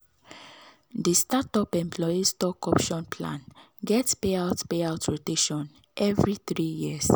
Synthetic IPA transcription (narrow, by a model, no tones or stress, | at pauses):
distatɔpɛ̃mpʰlɔistɔkɔpʃɔ̃npʰlã̰n | ɡɛtspeaʊtpeaʊtʰɹoteʃɔ̃n | ʔɛvɹiθɾijias